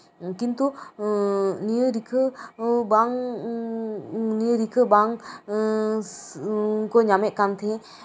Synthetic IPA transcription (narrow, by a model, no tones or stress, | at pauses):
kint̪u | nijəɾikʰəbaŋ | nijəɾikʰəbaŋ | kɔɲamɛʔ̪̚kant̪ʰɛ